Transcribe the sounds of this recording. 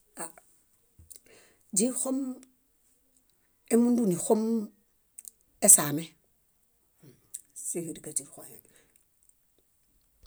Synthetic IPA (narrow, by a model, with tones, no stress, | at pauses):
a˨ | d͡ʒi˦xo˦m | e˦mu˦ndu˦ni˨xo˦m | e˦sa˨me˦ | si˦hi˨di˨ka˨d͡ʒi˨ɾxo˨he˨n